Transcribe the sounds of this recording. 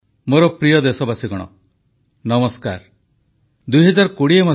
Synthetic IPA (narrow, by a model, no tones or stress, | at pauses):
moɾɔpɾijɔd̪esɔbasiɡɔɽ̃ɔ̰ | nɔmɔska̰ɾ | d̪ujɦɔd͡ʒaɾkuɽiema